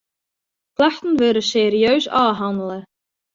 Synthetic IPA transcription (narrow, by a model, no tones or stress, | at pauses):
kʰlaht̪nvɛɾʏsɛɾjœɥsa̰ðɦawnalḁ